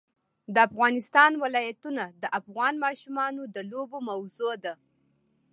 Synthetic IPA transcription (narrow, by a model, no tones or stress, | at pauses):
d̪əafɣɑnɪst̪ɑnwɪlɑjat̪unad̪əʔafɣɑnmɑʃumɑnod̪əlobomawzod̪a